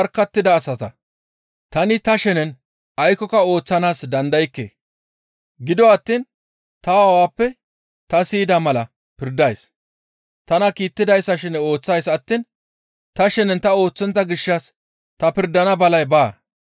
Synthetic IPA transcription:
ɐɾkːɐt̪ːɪd̪ɐːsɐt̪ɐ | t̪ɐnɪt̪ɐʃɛnɛn | ɐjkɔkɐo̞ːt͡sːɐnaːsd̪ɐnd̪ɐjkːḛː | ɡɪd̪ɔɐt̪ːiːn | t̪ɐwaːpːɛ | t̪ɐsiːd̪ɐmɐlɐ | pɪɾd̪ɐjs | t̪ɐnɐkiːt̪ːɪd̪ɐjsːɐʃɪno̞ːt͡sːɐjsɐt̪ːiːn | t̪ɐʃɛnɛnt̪ɐo̞ːt͡sːɔnt̪ːɐɡɪʃːɐs | t̪ɐpɪɾd̪ɐnɐbɐlɐjbaː

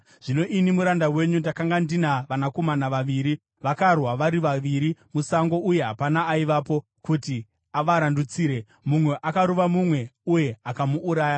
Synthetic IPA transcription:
ʐ̥ino̞ʔinimuɾandawe̞ɲundakaŋɡandinaʋanako̞manaʋaʋiɾi | ʋakarwaʋaɾiʋaʋiɾimusaŋɡo̞ʔuje̞ɦa̰panaːiʋapo̞ | kuti | aʋaɾandut͡siːɾe̞ | mumwe̞ʔakaɾuʋamumwe̞uje̞akamuʔːɾaːja

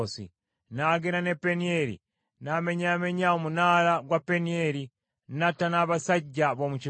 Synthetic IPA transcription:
osḭ | naɡenanepenieɾḭ | nameɲameɲaumunalaɡwapenieli | natanaβasaɟaβomut͡ʃi

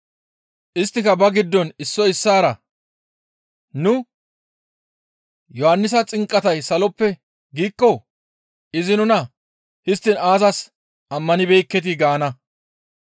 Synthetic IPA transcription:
ʔɪst̪ːɪkɐbɐɡɪd̪ːɔnɪsːɔɪsːaːɾɐ | nʊ | jɔhɐnːɪs̬ɐt͡sʼɪŋkʼːɐt̪ɐjsɐlɔpːɛ | ɡiːkːɔ | ʔɪzɪnʊnɐ | hɪst̪ːɪnaːzɐs | ʔɐmːɐnɪbɛjkːɛt̪̬ɪɡaːnɐ

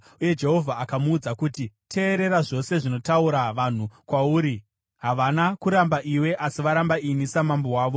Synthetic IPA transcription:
uje̞d͡ʒe̞ɦo̞vʱaːkamuːd͡zakutitʰe̞ːɾe̞ɾaʐo̞se̞ʐino̞tauɾaʋan̤ukwauːɾi | ɦaʋanakuɾambaʔiwe̞ʔasiʋaɾambainisamambowaːʋo̞

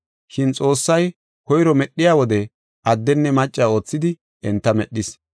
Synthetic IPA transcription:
ʃɪnt͡sʼo̞ːsːɐj | kɔjɾɔmɛɗːɪjaːwɔd̪ɛ | ʔɐd̪ːɛnːɛmɐt͡ʃʼːao̞ːt͡sːɪd̪ɪ | ɛnt̪ːɐmɛɗːɪs

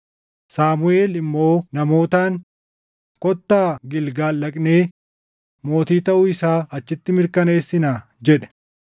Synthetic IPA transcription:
saːmʊeːlɪmːo̞ːnɐmo̞ːt̪aːŋ | kɔt̪ːaːɡɪlɡaːlːɐkʼne̞ː | mo̞ːt̪iːt̪ɐʔʊɪsaːɐt͡ʃːɪt̪ːɪmɪɾkɐneːsːɪnaː | d͡ʒɛᶑɛ̥

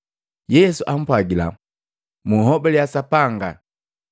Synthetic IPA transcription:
jɛsuʔam̩pwaɡila̰ | muhɔbɛlijasapaŋɡa

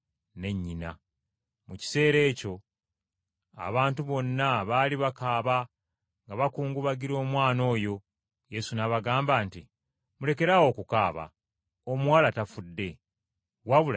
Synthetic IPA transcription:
ne̞ɲːina̰ | muci̥se̞ːɾe̞ːco̞ | a̰βaːntuβo̞nːaβaːliβakaːβa | ŋɡaβakuːŋɡuβaɡiɾo̞ːmwaːno̞ːjo̞ | je̞sunaβaɡaːmbanti | mule̞ke̞ɾawo̞ːkukaːβa̰ | omwaːlatafudːe̞ | waβula

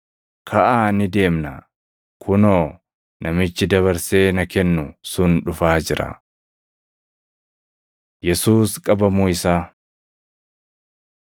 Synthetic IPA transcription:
kʰɐʔaːnɪd̪e̞ːmnɐ̰ | kʰʊnoː | nʔɐmɪt͡ʃːɪd̪ɐβɐɾse̞ːnɐkɛnːʊsʊnᶑʊfaːd͡ʒɪɾɐ̰ | jɛsuːskʼɐbɐmuːɪsaː

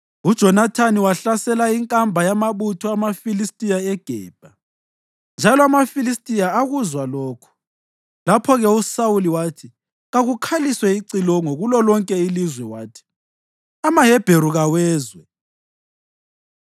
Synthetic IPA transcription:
ud̥ʒ̥ʱɔnatʰaniwaɬasɛlaiŋkʼambʱajamaβutʰɔamafilistʼijaɛɡ̥ʱɛ̰ːb̥ʱa | nd͡ʒʱalɔamafilistʼijaːɣuzwalɔːkʰu̥ | lapʰɔɣɛusawuliwaːtʰi | ɣaɣukʰaliswɛiǀilɔŋoɣulɔlɔŋkʼɛilizwɛwaːtʰi̥ | amaɦɛb̥ʱeɾuɣawɛːzwɛ

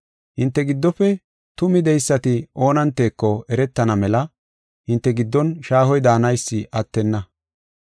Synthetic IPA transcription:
hɪnt̪ːɛɡɪd̪ːɔfɛ | t̪ʊmɪd̪ɛjsːɐt̪ɪʔo̞ːnɐnt̪ːe̞ːkːɔɛɾɛt̪ːɐnɐmɛlɐ | hɪnt̪ːɛɡɪd̪ːɔnʃaːhɔjd̪aːnɐjsːɪʔɐt̪ːɛnːɐ

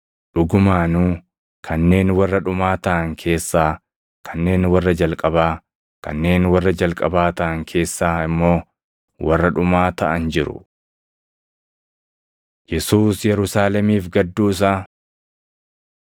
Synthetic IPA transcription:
ᶑʊɡʊmaːnuː | kʰɐnːe̞ːnwɐrːɐᶑʊmaːt̪ɐʔɐŋkʰe̞ːsːaː | kʰɐnːe̞ːnwɐrːɐd͡ʒɐlkʼɐbaː | kɐ̰nːe̞ːnwɐrːɐd͡ʒɐlkʼɐbaːt̪ɐʔɐŋkʰe̞ːsːaːɪmːo̞ː | wʔɐrːɐᶑʊmaːt̪ɐʔɐnd͡ʒɪɾʊ̰ | jɛsuːsjɛɾʊsaːlɛmiːfɡɐd̪ːuːɪs̬aː

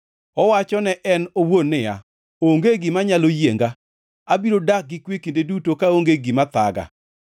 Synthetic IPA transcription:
ɔwat͡ʃɔnɛʔɛnowonːɪja̰ | oŋɡeɡɪmaɲalojeŋɡa | abiɾodak̚ɡɪkwekendedutokaoŋɡeɡimat̪aɡa̰

